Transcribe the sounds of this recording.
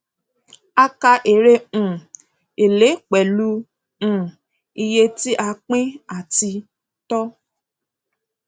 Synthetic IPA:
a˦ka˧ʔe˨ɾẽ˦˨ | e˨le˨˦k͡pɛ˨lũ˦˨ | i˧je˧ti˦ʔa˧k͡pĩ˦a˨ti˧ | tɔ˦

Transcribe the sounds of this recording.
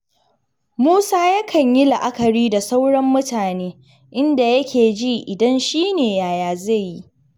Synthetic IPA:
muː˦saː˦ja˦kʰɐ˨ɲji˦la˨ʔa˦kɐ˨ɽiː˦da˨sa˦wɽɐ˦mːʊ˦taː˨neː˦ | ʔɪ˦nda˨jɐ˦kʲeː˨d͡ʒi˦ʔɪ˨dɐ˦nʃiː˦neː˨jaː˨jaː˨ze˦˨jji˦

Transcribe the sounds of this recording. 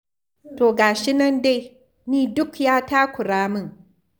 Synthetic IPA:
toː˨ɡaː˨ʃɪ˦nɐ˦nde˦j | niː˦dʊ˦kjaː˦taː˦kʷʊ˨ɽaː˦mɪ˦ŋ

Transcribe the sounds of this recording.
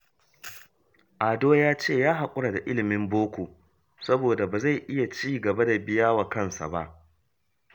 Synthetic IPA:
ʔaː˨doː˦jaː˦t͡ʃeː˦˨jaː˦ɦa˨kʷʼʊ˦ɽa˨da˨ʔɪ˦lɪ˨mɪ˦mboː˦kʷoː˨ | sɐ˦boː˨da˨baː˨za˦˨jʔɪ˦ja˨t͡ʃiː˦˨ɡɐ˨ba˦da˨bɪ˦jaː˦wa˨kɐ˦˨nsa̰˨ba̰˦ʔ

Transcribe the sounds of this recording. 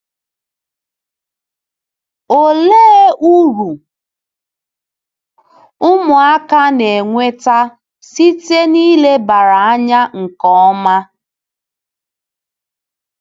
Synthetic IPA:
o˨leː˦ʔu˦ɾu˨ | ʊ˦mʊ˨a˦ka˦ne˨ŋʷe˦ta˦ | si˦te˦niː˦le˦ba˨ɾa˨a˦ɲa˦ŋ̩˨kɔ˦ɔ˦ma˦

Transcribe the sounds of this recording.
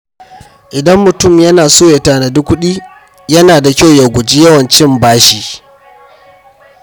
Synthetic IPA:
ʔɪ˨dɐ˦mːʊ˨tʊ˦˨mjɐ˦naː˨soː˦je˨taː˦˨na˨dʊ˦kʷːʊ˦ɗiː˦ | jɐ˦naː˨da˨kʲa˦wja˨ɡʷʊ˨d͡ʒi˦jɐ˦wɐ˨nt͡ʃɪ˦mbaː˦ʃi˦

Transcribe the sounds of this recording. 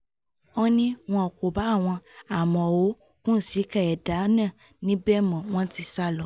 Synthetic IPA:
ɔ˦nĩ˦w̃ɔ̃˧ɔ˨ko˨ba˨˦˨w̃ɔ̃˧a˨mɔ̃˨o˨˦ | kũ˦n̩˦si˨˦kɛ˦˨ɛ˨da˨˦nã˦˨ | nĩ˦bɛ˦mɔ̃˨w̃ɔ̃˦ti˧sa˦lɔ˧˦

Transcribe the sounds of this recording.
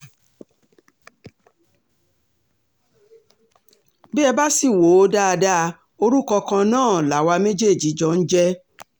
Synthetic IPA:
bɛ˦ɛ˧ba˦si˦˨wo˨˦da˦a˧da˦˧ | o˧ɾu˦kɔ˧kã˧nãː˦˨la˨wa˧me˦d͡ʒe˦˨d͡ʒi˨˦d͡ʒɔ˧˦n̩˦d͡ʒɛ˦

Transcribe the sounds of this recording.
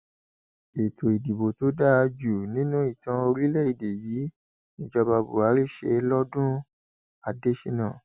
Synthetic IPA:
e˨to˨i˨di˨bo˨to˨˦da˦˧d͡ʒu˨nĩ˨˦nũ˦i˦˨tã˧o˧ɾi˦lɛ˦˨i˧˨de˨jiː˨˦ | nĩ˧˨d͡ʒɔ˧ba˧bṵ˨a˨˦ɾi˦˨ʃe˧lɔ˦dũ˦ | a˨de˦ʃi˧nã˦˨

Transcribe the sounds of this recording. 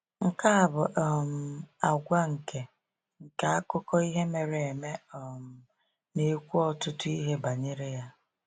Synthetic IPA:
ŋ̩˨ka˦a˨bʊ˨ʔm̩˦˨a˨ɡʷa˦ŋ̩˨ke˨ | ŋ̩˨ka˨a˦kʊ˦kɔ˦i˦ɦe˦me˨ɾe˨e˨me˦˨m̩˨ | ne˨kʷu˦ɔ˦tʊ˦tʊ˦i˦ɦe˦ba˨ɲɪ˦ɾɪ˦ja˦

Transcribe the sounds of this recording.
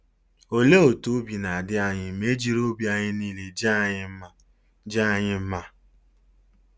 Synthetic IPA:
o˨le˦o˨to˦bi˨na˨a˨dɪ˦a˨ɲɪ˦me˦d͡ʒi˦ɾo˦bi˦a˨ɲɪ˦niː˦le˨d͡ʒa˦ɲɪ˦ma˨ | d͡ʒa˦˨ɲɪ˦m̩˦ma˦

